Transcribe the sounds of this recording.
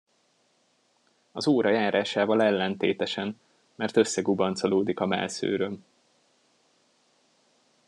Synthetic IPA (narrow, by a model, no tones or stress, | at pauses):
ɒzoːɾɒjaːɾaːʃaːvɒlɛlːɛnt̪eːt̪ɛʃɛn | mɛrt̪ø̞sːɛɡubɒnt̪soloːd̪ikɒmɛ̰lsø̰ːɾøm